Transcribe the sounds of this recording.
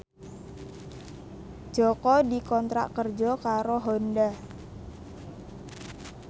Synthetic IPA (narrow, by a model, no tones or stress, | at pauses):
d͡ʒ̥ɔkɔdikɔnt̪ɾa̰ʔkərd͡ʒɔkaɾoɦonda